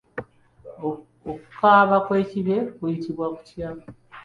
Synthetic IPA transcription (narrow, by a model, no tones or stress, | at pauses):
oku̥kaːβakweciβe̞kujitiβwaku̥tja